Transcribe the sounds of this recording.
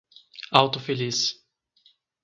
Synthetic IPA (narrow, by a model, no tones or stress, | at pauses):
awt̪ʊfelis